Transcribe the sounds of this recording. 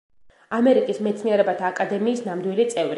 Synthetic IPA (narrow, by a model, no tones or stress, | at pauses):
amɛɾikʼismɛt̪sʰniɛɾɛbat̪ʰaːkʼad̪ɛmiːsnamd̪wilit̪sʼɛvɾi